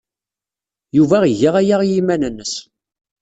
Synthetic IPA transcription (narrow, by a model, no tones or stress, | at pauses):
juvæʁiʝəʁæjaʁjimænənːəs